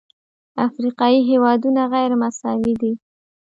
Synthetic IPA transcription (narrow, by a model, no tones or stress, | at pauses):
afɾiqɑjiɦewɑd̪unaɣajɾmasɑwid̪i